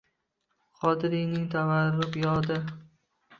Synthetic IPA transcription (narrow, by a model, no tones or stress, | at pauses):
qʰɒd̪ɪɾɪjnɪŋt̪ʰavaɾːʊpjɒd̪ɪ